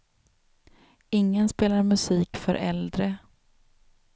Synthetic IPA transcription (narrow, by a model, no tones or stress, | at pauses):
ɪŋːənspeːlaɾmɵsiːkfœɾʔɛ̰ld̪ɾə